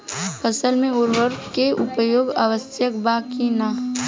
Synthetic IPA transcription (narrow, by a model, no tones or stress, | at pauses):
pʰəsəlmẽʊɾʋəɾfkeʔʊpəjoːɡa̰ʋəsjəkbaːkina